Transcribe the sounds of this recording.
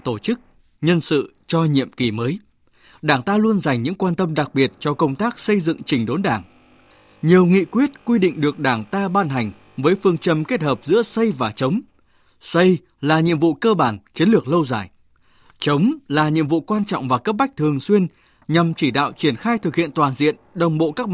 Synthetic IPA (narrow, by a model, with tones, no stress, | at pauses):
t̪o˧˩t͡ɕɨ˦˥k̚ | ɲə˧nsɨ̰˧˨ | t͡ɕɔ˧ɲḭ˧˨əmki˧˩məː˨˦j | ɗaː˧˩ŋt̪aː˧lu˧ənza˨˩jŋ̟ɲɨ̰˧˥ŋkwaː˧nt̪ə˧mɗa˨˩k̚ɓi˨˩ət̚t͡ɕɔ˧kə˧wŋ͡mt̪aː˦˥k̚sə˧jzɨ̰˧˨ŋt͡ɕï˨˩ŋ̟ɗo˨˦nɗaː˧˩ŋ | ɲi˨˩əwŋḭ˧˨kwi˦˥ət̚kwi˧ɗḭ̈˧˨ŋ̟ɗɨ˨˩ək̚ɗaː˧˩ŋt̪aː˧ɓaː˧nɦa˨˩ŋ̟ | vəː˨˦jfɨ˧əŋt͡ɕə˧mke˦˥t̚həː˨˩p̚zɨ̰˧˥əsə˧jvaː˨˩t͡ɕə˨˦wŋ͡m | sə˧j | laː˨˩ɲḭ˧əmvṵ˧˨kəː˧ɓaː˧˩nt͡ɕi˨˦ənlɨ˨˩ək̚lə˧wzaː˧˩j | t͡ɕə˨˦wŋ͡mlaː˨˩ɲḭ˧˨əmvṵ˧˨kwaː˧nt͡ɕɔ̰˧˨wŋ͡mvaː˨˩kə˦˥p̚ɓa˦˥k̟̚t̪ʰɨ˨˩əŋswi˧ən | ɲa˨˩mt͡ɕi˧˩ɗa̰ː˧˨wt͡ɕwi˧˩ənxaː˧jt̪ʰɨ˨˩k̚hḭ˧˨ənt̪waː˨˩nzḭ˧˨ənɗə˨˩wŋ͡mɓo̰˧˨kaː˦˥k̚